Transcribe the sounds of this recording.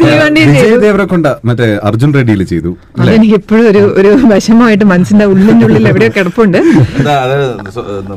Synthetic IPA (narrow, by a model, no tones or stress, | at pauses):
t̪iːʋɐɳɖit͡ɕejɐjðeːʋɐɾekːoɳɖamɐtːeɐ̰rd͡ʑunreɖijilt͡ɕejt̪u | ɐleenikʲːipːoːɻuoɾuoɾubʱɐɕɐmaːjiʈːɨmɐnɐsind̪ɐuɭːiɲːuɭːilːeʋiɽejokːeɽɐpːuuɳɖɨd̪aɐðɐs